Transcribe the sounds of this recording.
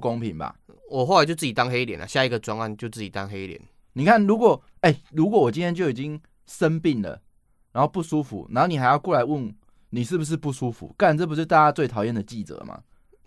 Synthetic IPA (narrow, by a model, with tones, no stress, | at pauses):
ko˦ŋpʰi˨˦ŋba̰˨˩ | wɔ˨˩xo˥˩la˧˦t͡ɕjo˥˧t͡s̩˥˧˩i˨˩t̪a˦ŋhe˦ljɛ̰˨˦nʔa̰˨ɕja˥˧i˨˥ɡə˨˩t͡swa˦ŋa˥˨nt͡ɕjo˥˧ʊt͡sɨ˥˩t͡ɕi˨˩t̪a˦ŋɦe˧˦ljɛ̰˨˦n | ni˨˩kʰa˥˩nɻu˧˥kwɔ˨˩ | e˥˩ɪɻu˧˥kwɔ˨˦wɔ˨˩t͡ɕi˦nt̪ʰjɛ˥nt͡ɕjo˥˩ʊi˨˩t͡ɕi˦ŋ | sə˦npi˥˩ŋlə̰˩ | ɻa˨˦nxo˥˧ʊpu˥˩su˦fṵ˨˩na˨˦nho˥˩ni˨˩xa˧˦ɪjɑ˥˧ʊkwo˥˩la˧˦ɪwə˥˩n | ni˨˩ʂ̬ɻ̩˥˩bu˩ʂ̬ɻ̩˥˧pu˥˩su˦˥fṵ˨˩˦ka˥˩˨nt͡sə˥˩p̬u˧st̪a˥˧˩t͡ɕa˦˥t͡swe˥˩ɪt̪ʰɑ˨˩ʊjɛ˥˩nd̪ə˨˩t͡ɕi˥˨˩t͡sə̰˨˩˦mʔa̰˨